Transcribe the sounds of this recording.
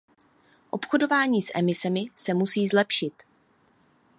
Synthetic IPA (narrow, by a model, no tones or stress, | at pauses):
ʔo̞pxo̞do̞vaːɲiːsʔɛ̰mɪsɛmɪsɛmusiːzlɛpʃɪt̪